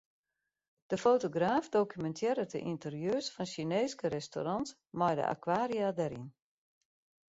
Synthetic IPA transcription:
d̥əfoːtoɡraːfdokymɛntʰjɪɾətə̰ʔintərjøːsfɔnʃineːskəɾɛsto̰ɾɔnt | mɔjdə̰ʔa̰kʰwaːɾiadɛɾḭn

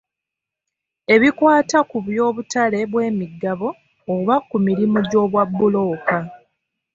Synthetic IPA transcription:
e̞βikwaːtakuβjo̞ːβutale̞βwe̞ːmiɡːaβo̞ː | βakumiɾimoɟo̞ːβwabːulo̞ːka

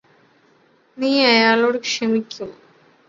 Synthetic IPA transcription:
niːɐjaːɭoːɽɨkʂɐmikʲːum

